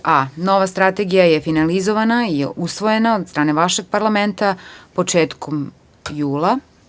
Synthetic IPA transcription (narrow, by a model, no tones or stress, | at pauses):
ano̞ʋast̪ɾat̪e̞ɡijajefinalizoʋanaiusʋo̞je̞naod̪st̪ɾaːne̞ʋaʃe̞ɡ̚paɾlˠament̪apo̞t͡ʂe̞ːt̪kʰom | juːla